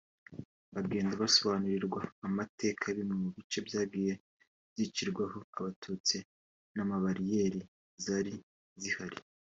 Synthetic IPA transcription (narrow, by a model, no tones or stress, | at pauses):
βaɡe̞ːndaβaso̞βaːnuɾiɾɡwaːmatʰe̞ːkʰaβimŋemuβit͡ʃe̞bjaːb̚ɡiːje̞ | zit͡ʃiɾɡwaho̞aβatʰuːt͡si | namaβaɾije̞ːɾi | zaɾi | zihaɾi